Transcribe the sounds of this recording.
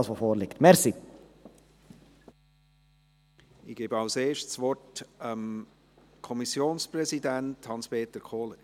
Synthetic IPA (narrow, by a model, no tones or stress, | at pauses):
sʋofoːɾlɪkt̪mɛɾsi | ɪɡ̥eːbəɑʊseːʃtsʋɔrtəm | kʰɔmisjoːnsprɛsidænthɑnspʰeːtəkʰoːlə